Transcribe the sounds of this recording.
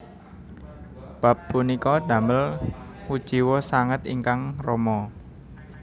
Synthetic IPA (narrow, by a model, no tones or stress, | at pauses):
b̥a̤pːunikɔd̪̥ä̤məlwu̥t͡ʃiwɔsaŋət̪ḭŋkaŋrɔmɔ